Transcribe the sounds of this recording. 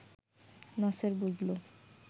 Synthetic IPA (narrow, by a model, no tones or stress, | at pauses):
nɔseɾbud͡ʒlo